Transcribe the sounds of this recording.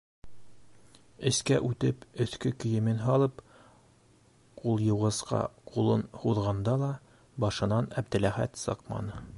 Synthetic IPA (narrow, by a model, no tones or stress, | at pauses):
ɘ̆skæʔʉt̪ɘpɵ̆θkɵkɵ̆jɘ̆mɘnɦɑlˠɤp | qulˠjɤ̆wʁɤ̆sqɑ̰qulˠɤnhuðʁɑnd̪ɑlˠɑ | bɑʃɤ̆nɑnæb̚d̪ɘ̆læχæ̰t̪sɤ̰qmɑ̰nɤ